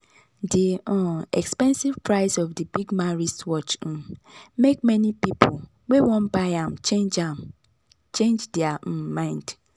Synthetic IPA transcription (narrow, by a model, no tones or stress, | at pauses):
diɔɛkspɛ̃nsivpɹaɪsɔfdibiɡmaɹistwɔt͡ʃ̩mek̚mɛnipipʊl | wewɔ̃nbaɪãmt͡ʃed͡ʒam | t͡ʃẽnd͡ʒdɛamãɪ̃nd